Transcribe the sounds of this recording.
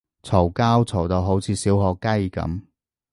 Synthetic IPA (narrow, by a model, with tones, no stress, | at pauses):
t͡sʰo˨˩wkaː˥wt͡sʰo˨˩wt̪o˨˧wɦo˨˥wt͡sʰiː˨˧˥siː˨˥wɦɔː˧kːɐ˥jkɐ̰˨˥m